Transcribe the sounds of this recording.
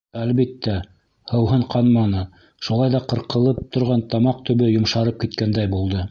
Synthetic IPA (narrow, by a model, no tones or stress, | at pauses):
ælβit̪ːæ | hɤ̆wɦɤɴqɑnmɑnɤ | ʃulˠɑjðɑqɤ̆ɾqɤ̆lˠɤp̚t̪ŏɾʁɑnt̪ɑmɑq̚t̪ɵ̆βɵjŏmʃɑɾɤp̚kit̪kænd̪æjbulˠd̪ɤ